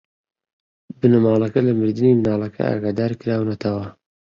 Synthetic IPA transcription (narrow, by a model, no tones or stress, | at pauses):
bɨnɐmaːlˠɐkɐlɐmɨɾd̪ɨniːmnaːlˠɐkʰɐ̰a̰ːɡaːd̪aːɾkɨɾaːwnɐt̪ʰɐwɐ